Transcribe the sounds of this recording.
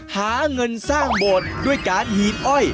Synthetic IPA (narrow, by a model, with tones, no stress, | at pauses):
haː˩˦ŋɤ˧nsaː˥˩ŋboː˨˩t̪̚du˥˩əjkaː˧nhiː˨˩p̚ʔɔ˧˥˩j